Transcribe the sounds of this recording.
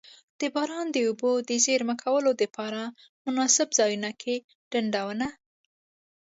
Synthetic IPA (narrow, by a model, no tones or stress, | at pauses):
d̪̥əbɑɾɑnd̪əubod̪əzeɾməkʰawəlod̪əpɑɾa | mʊnɑsɪbzɑjunakʰe | ɖ̥aɳɖawəna